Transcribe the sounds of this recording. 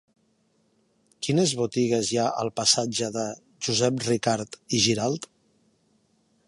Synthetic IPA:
kinəzβut̪iɣ̞əzjaʔə̰lˠpəsad͡ʒəðə | ʒuzɛp̚rikaɾt̪iʒiɾalˠt̪

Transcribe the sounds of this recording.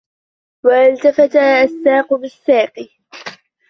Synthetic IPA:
waʔalt̪afat̪aʔasːaːqʊbɪsːaːqɨ

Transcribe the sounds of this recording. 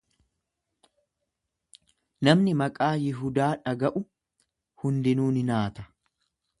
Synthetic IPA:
nɐmnɪmɐkʼaːjɪɦʊd̪aːᶑɐɡɐʔʊ | hʊnd̪ɪnuːnɪnaːt̪ɐ̥

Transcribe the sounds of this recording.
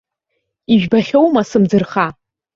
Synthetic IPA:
iʒᶣbaχʲowmasɨmd͡zɨrχa

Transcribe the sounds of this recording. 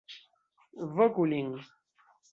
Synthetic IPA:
vəkuliŋ

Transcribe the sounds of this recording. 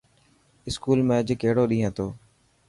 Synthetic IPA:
ɪskuːlmẽːəd͡ʒkeːɽoːɗĩːɦãːt̪ʰoː

